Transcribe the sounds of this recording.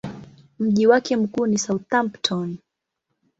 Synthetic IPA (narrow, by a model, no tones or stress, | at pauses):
m̩ʄiwakɛm̩kuːnisawt̪amptʰɔn